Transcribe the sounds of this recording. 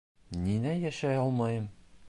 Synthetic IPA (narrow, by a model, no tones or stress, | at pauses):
ninæjæʃæjɒlˠmɑjɤm